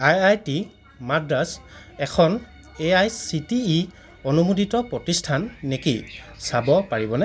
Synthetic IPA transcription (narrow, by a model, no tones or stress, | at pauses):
ajajti | madas | ɛkʰɔn | eajsitiː | ɔnumudʱitɔpɹɔtistʰanːekisabɔpaɹibɔnɛ